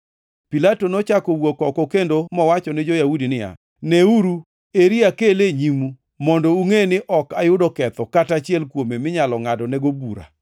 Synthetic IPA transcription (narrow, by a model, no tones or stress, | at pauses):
pilatonɔt͡ʃakowokɔkɔkendomɔwat͡ʃɔnɪd͡ʒojahudinɪja̰ | nɛuɾu | eɾiakeleɲimu | mɔndɔuŋenɪʔɔkajʊdɔkɛt̪ɔkatat͡ʃɪɛlkwomemɪɲalɔŋadɔnɛɡobuɾa̰